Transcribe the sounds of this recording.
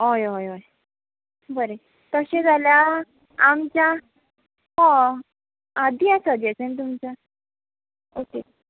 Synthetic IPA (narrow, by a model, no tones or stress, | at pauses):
ojojoj | bəɾe | t̪əɕẽd͡zʱaljaː | mt͡ɕja | ɦɔ̃ː | d̪iat͡sad̪jat͡sent̪̬umt͡sa | oke